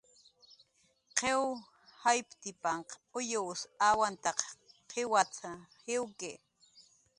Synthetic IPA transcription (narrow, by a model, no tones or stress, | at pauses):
qʰew | hajpt̪ɪpaɴqʊjosawant̪aqqʰewat͡sʰahewke